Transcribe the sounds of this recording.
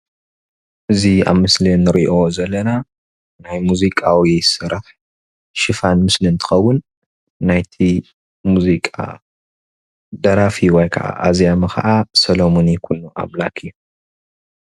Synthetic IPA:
ʔɨzia̰βmɨslinɨɾiʔo̞zɐlːɐna | najmuzikʼawijɛjɪsɨɾɐħ | ʃɨfanmɨslint̪ʰɨ̥xɐwːʊnː | ajt̪ʰi | muzikʼa̰ | d̪ɐɾafiwɔjkʰɐʔa̰ʔazijamɨxʰɐ̰ʔasɐlomonikʰunːuʔa̰βlakʰɨjːu

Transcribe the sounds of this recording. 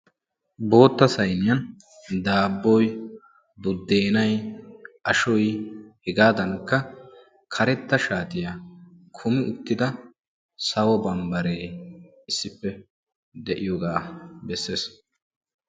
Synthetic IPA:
bo̞ːt̪ːɐsɐjnɪjɐn | d̪aːbːɔj | bʊd̪ːe̞ːnɐjʔɐʃɔjhɛɡaːd̪ɐŋkːɐ | kʰɐɾɛt̪ːɐʃaːt̪ɪjakʰʊmɪʔʊt̪ːɪd̪ɐ | sɐwɔbɐmbɐɾeː | ɪsːɪpːɛ | d̪ɛʔɪjɔɡaːbɛsːeːs

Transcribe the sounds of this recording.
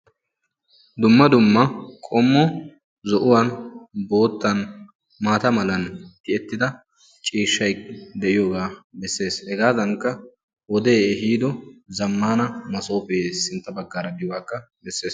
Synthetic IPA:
d̪ʊmːɐd̪ʊmːɐkʼɔmːɔ | zɔʔʊwɐnbo̞ːt̪ːɐn | maːt̪ɐmɐlɐnt̪ɪɛt̪ːɪd̪ɐ | t͡ʃʼiːʃːɐjd̪ɛʔɪjoːɡaːbɛsːe̞ːshɛɡaːzɐŋkːɐ | wɔd̪eːɦiːd̪ɔzɐmːaːnɐmɐso̞ːpeːsɪnt̪ːɐbɐɡːaːɾɐd̪ɪjwaːkːɐ | bɛsːe̞ːs

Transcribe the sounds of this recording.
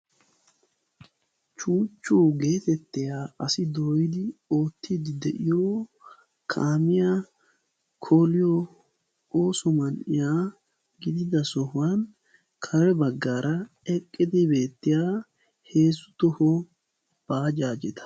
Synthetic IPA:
t͡ʃuːt͡ʃːuːɡe̞ːt̪ɛt̪ːɪjaːɐsɪd̪oːjɪd̪ɪo̞ːt̪ʰːɪd̪ɪd̪ɛʔɪjoː | kʰaːmɪjaː | kʰoːlɪjo | o̞ːsɔmɐnʔɪjaː | ɡɪd̪ɪd̪ɐsɔhʊwan | kʰɐɾɛbɐɡːaːɾʔɐ | ɛkʼːɪd̪ɪbe̞ːt̪ːɪjaː | he̞ːsːʊ̥t̪ɔhɔ | b̥aːd͡ʒaːd͡ʒɛt̪ɐ̥

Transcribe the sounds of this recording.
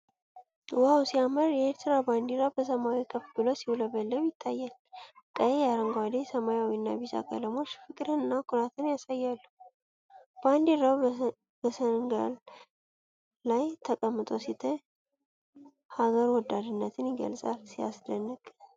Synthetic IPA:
wawsijaməɾjɛeɾt̪ʰɨɾaband̪iɾawbəsəmawikʰəfbɨlo̞siwuləbəlːəwjɪt̪ʰːajːalkʼəjejaɾəŋɡʷad̪esəmajawinːa̰biza̰kʰə̰ləmo̞t͡ʃːfɨkʼɾɨnɨnːakʰuɾat̪ʰɨnjasajːalːu | b̥and̪iɾaw | bəsənŋɡa̰l | ajt̪ʰəkʼəmːɨt̪ʼo̞sit̪ʰə | haɡəɾwɔd̪ːad̪ɨnːət̪ʰɨnjɪɡə̰lsʼalsija̰sd̪ənːɨkʼ

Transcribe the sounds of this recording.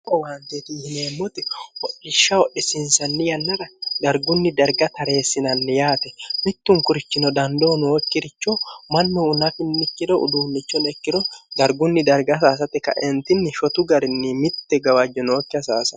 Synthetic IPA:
ɔwaːnt̪eːt̪ɪhɪneːmːɔt̪ɛwɔɗːɪʃːɐwɔɗːɪsɪnsɐnːɪjɐnːɐɾɐd̪ɐɾɡʊnːɪd̪ɐɾɡɐt̪ɐɾe̞ːsːɪnɐnːɪjaːt̪ɛmɪt̪ːʊŋkʊɾɪt͡ʃːɪnɔd̪ɐnd̪oːnːkːɪɾɪt͡ʃːɔmɐnːɛʊnɐfɪnːɪkːɪd̪ɔʔʊ̰d̪uːnːɪt͡ʃːɔnɛkːɪd̪ɔd̪ɐɾɡʊnːɪd̪ɐɾɡɐsaːs̬ɐt̪ɛkɐ̰ʔɛnt̪ɪnːɪʃɔt̪ʊɡɐɾɪnːɪmɪt̪ːɛɡɐwɐd͡ʒːɔnoːkːɪɐsaːsɐ

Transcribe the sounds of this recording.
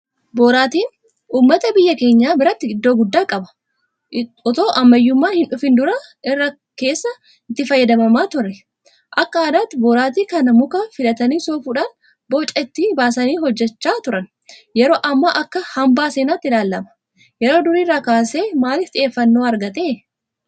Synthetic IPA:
boːɾaːt̪iːn | ʔuːmːɐt̪ɐbɪjːɐke̞ːɲːaːbɪɾɐt̪ːɪɪd̪ːo̞ːɡʊd̪ːaːkʼɐbɐ̥ | ɔt̪o̞ːʔɐmːɐjːʊmːaːhɪnᶑʊfɪnd̪ʊɾɐʔɪrːɐ | ke̞ːsːɐ | ɪt̪ːɪfɐjːɐd̪ɐmɐmaːt̪ʊrːɛ | ʔɐkːɐaːd̪aːt̪ːɪboːɾaːt̪iːkɐnɐmʊkafɪlɐt̪ɐniːsoːfuːᶑaːn | boːt͡ʃʼːɐɪt̪ːibaːsɐniːɦɔd͡ʒːɛt͡ʃːaːt̪ʊɾɐn | jɛɾo̞ːʔɐmːaʔɐkːɐhɐmbaːseːnaːt̪ːɪlaːlːɐmɐ̥ | jɛɾo̞ːd̪ʊɾiːrːaːkaːse̞ːmaːlɪft̪ʼɪʔe̞ːfːɐnːo̞ːɐɾɡɐt̪e̞ː

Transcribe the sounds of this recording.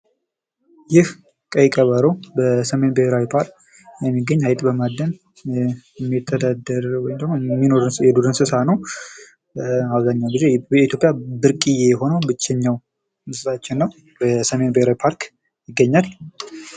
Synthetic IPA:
jɪh | kʼəjkʼəβaɾəwbəsəme̞nbəheɾawipʰaɾk | jɛmːiɡːəɲːhajt̪ʼbəmad̪ːən | ɛmːit̪ʰːəd̪ad̪əɾwɔjmd̪əɡmomːinoɾnjɛd̪uɾɨnsɨsanəw | aβzaɲːawɡize̞ɛit̪ʰjo̞pʼjabɨɾkʼijɛɛɦo̞nəwbɨt͡ʃːɛɲːaw | mɨsɨsʼat͡ʃːɪnːəw | bəsəme̞nbəheɾawipʰaɾk | jɪɡːəɲːal

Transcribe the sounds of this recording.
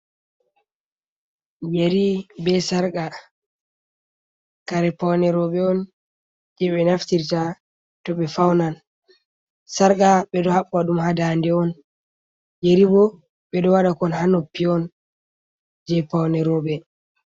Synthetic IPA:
d͡ʒeɾibɛsaɾɡa | kaɾɛpawnɛɾɔɓɛɔn | d͡ʒɛɓɛnaftiɾta | tɔɓɛfawnan | saɾɡaɓɛɗɔhaɓːaɗumhadandɛɔn | jeɾibɔ | ɓɛɗɔwaɗakɔnhanopːiɔn | d͡ʒɛpawnɛɾɔɓɛ

